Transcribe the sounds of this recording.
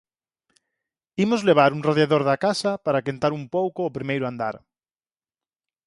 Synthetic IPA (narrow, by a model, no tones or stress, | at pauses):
imʊzleβ̞aɾuŋraðjaðoɾðakasɐpaɾakent̪aɾumpowkoːpɾimejɾʊand̪a̰ɾ